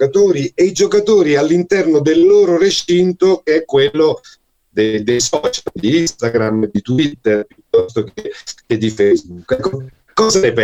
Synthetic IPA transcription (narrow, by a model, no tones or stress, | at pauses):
kat̪oːɾieid͡ʒokat̪oːɾialːint̪ɛrnod̪elːoːɾoret͡ʃint̪okeɛkːwelːo | d̪ed̪ejsɔt͡ʃald̪iist̪aɡɾamd̪it̪uit̪ːerpjut̪ːɔst̪okeked̪ifejzbukːɛkːo | kːɔːzaepɛ